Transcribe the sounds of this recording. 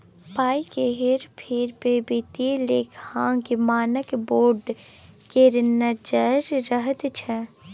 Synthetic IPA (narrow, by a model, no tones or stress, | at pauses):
paːikeɦɪɾpʰɪɾpebit̪ileːkʰãːkimaːnəkboːɾɖ | keɾnəd͡ʒəɾːəɦət̪t͡ʃʰɛ